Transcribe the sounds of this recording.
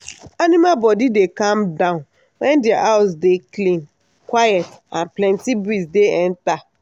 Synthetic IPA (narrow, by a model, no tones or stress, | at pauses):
anĩmabɔdidekãmdãʊ̃n | wɛ̃ndɪaʔaʊs̬deklĩn | kwajɛtãnplɛ̃ntibɾisdeɛ̃nta